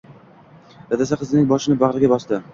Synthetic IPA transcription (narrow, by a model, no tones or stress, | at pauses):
ɾad̪asaqʰɨzɪnɪŋʲbɒʃɪnɪbaʁɾɪɡʲabɒsd̪ɪ